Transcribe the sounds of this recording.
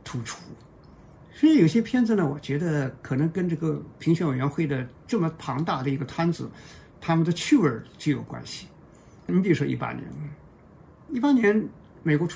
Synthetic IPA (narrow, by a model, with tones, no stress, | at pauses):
t̪ʰu˧˥ʈ͡ʂʰu˥ | swjo˨˩ʊɕjɛ˥pʰjɛ˥˧nd͡z̩˨˩nə˩wɔ˨˩t͡ɕɥɛ˧˥d̪ə˧kʰɤ˨˩nɤ˧˥ŋkə˥nʈ͡ʂɤ˥˩ɡə˩pʰi˧˥ŋɕɥɛ˧˥nwe˨˩ɪɥɛ˧˥nxwe˥˩ɪd̪ə˩ʈ͡ʂɤ˥˩mə˩pʰɑ˧˥ŋt̪a˥˩d̪ə˩i˧˥ɡə˧t̪ʰa˥nd͡zɹ̩˨˩˦t̪ʰa˥mə˨nd̪ə˨t͡ɕʰy˥˩wə˞˨˩˥t͡ɕjo˥˩ʊjo̰˨˩ʊkwa̰˥nɕi˨ | ni˧˥pi˩ɻu˥ʂwɔ̰˥i˥˩pa̰˥njɛ̰˧˥n | i˥˩pa˥njɛ˧˥n | me˨˩ɪkwɔ˧˥ʈ͡ʂ